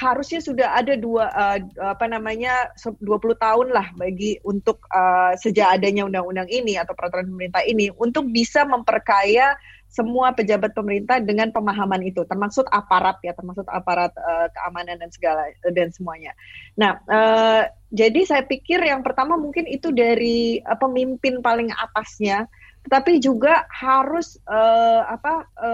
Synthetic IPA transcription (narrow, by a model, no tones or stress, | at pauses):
haɾʊsɲasudaɦadaduaʔəapanamaɲasəduapulʊht̪aʊnlahbaɡiunt̪ʊk̚əsəd͡ʒaːdaɲaundaŋundaŋiniat̪awpəɾat̪uɾanpəməɾint̪aɦiniunt̪ʊk̚bisaməmpərkaja | səmuapəd͡ʒabat̪̚pəməɾint̪ahdəŋanpəmaɦamanit̪ut̪ərmaksʊt̪apaɾat̪̚jat̪ərmak̚sʊt̪a̰paɾat̪̚əkəamanandansəɡaladansəmuaɲanahʔə | d͡ʒadisajapikɪrjaŋpərt̪amamuŋkɪnit̪udaɾiəpəmimpɪnpalɪŋa̰t̪asɲa | t̪ət̪apid͡ʒuɡahaɾʊsəapaə